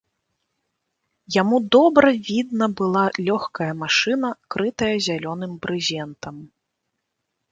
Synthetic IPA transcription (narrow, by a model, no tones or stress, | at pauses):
jamud̪ɔbɾɐvʲid̪̚nɐbɨlˠalʲɔxkɐjɐmaʂɨnɐkɾɨt̪ɐjɐzʲalʲɔnɨmbɾɨzʲɛnt̪ɐm